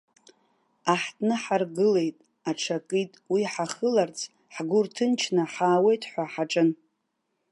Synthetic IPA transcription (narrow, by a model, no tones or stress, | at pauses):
aħtʰʼnɨħarɡɨle̞jtʼ | aʈ͡ʂʰakʼitʼwiħaχəlart͡sʰ | ħɡʷʊrtʰɨnt͡ʃʰnɨħaːwe̞jtʰʼħʷaħaʈ͡ʂʼɨn